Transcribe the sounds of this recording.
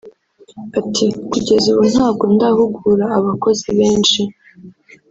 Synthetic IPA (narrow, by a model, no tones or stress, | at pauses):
atʰikuɟe̞zuβun̥haːbɡo̞ndahuɡuɾaːβako̞ziβe̞ːnʃi